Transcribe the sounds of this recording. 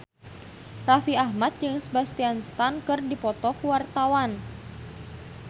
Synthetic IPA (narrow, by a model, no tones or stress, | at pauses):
rafiahmat̪̚d͡ʒɨŋsəbast̪ianst̪ankɨrdipɔt̪ɔkuwart̪awan